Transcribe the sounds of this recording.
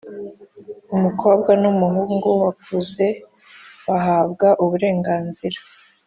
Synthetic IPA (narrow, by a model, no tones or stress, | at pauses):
umukʰo̞ːbɡwanumuɦuːŋɡuwakʰuze̞ | βaɦaːbɡaʔuβuɾe̞ːŋɡaːnziɾḁ